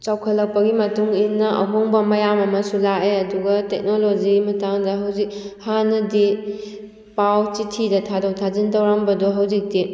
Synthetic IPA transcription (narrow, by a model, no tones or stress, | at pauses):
t͡ʃawkʰɐlɐk̚pɐɡimɐtuŋinːɐʔɐ̰ɦoŋbɐmɐjamɐmɐsulaeɐduɡɐtek̚nolod͡ʒimɐtaŋdɐɦɐwzik̚hanɐdi | pawt͡ʃitʰidɐtʰadɐwtʰazintɐwɾambɐdoɦɐwzik̚di